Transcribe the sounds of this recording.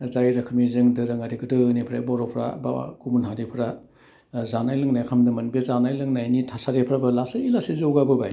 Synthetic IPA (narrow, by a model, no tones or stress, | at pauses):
zajɾɐkʰɯmizɯŋdɯɾɯŋaɾikɯdɯnipʰɾajbɔɾɔpʰɾa̰ba̰a̰kumunɦadipʰɾa | zanajlɯŋnajkʰamdɯmɐnbezanajlɯŋnajnitʰasaɾepʰɾabɯlasailasizowɡabɯbaj